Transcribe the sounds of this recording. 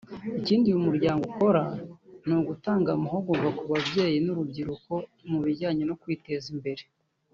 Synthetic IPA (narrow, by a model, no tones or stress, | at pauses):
iciːndiumuɾɟaːŋɡoko̞ɾanuːɡutaːŋɡamaɦoɡuvakuβabɟe̞ːjinuɾubɟiɾuko̞muβiɾɟaːɲeno̞kwiːte̞zimbe̞ɾe